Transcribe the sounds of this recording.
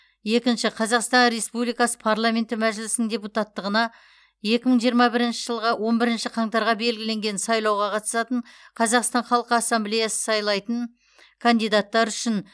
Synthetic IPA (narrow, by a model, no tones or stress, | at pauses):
je̞kʲɪnʃɪqʰɑzɑqst̪ɑnɾe̞spublijkɑsə̥pʰaɾlˠamʲe̞nt̪ɪmæʒɪlɪsɪnɪŋdʲe̞put̪at̪ːəʁənɑ | je̞kʲɪməɴʒijəɾmɑbɪɾɪnʃɪʒəlˠʁɑwʔo̞nbɪɾɪnʃɪqʰɑŋt̪ɑɾʁɑbe̞lɡʲɪle̞ŋɡʲe̞nsɑjlˠɑwʁɑqʰɑt̪ə̥sɑt̪əɴ | qʰɑzɑqst̪ɑnχɑlˠqəasːɑmblejasə̥sɑjlˠɑjt̪əɴ | kʰand̪ijd̪at̪ːɑɾʏʃɪn